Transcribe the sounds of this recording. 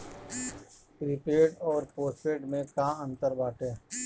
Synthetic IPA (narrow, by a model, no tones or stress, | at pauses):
pɾɪpeːʈɔːɾpoːsʈeːʈmẽkaːə̃nt̪əɾbaːʈẽː